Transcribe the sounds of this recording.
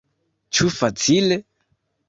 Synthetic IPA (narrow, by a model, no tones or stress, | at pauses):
t͡ʃufat͡sile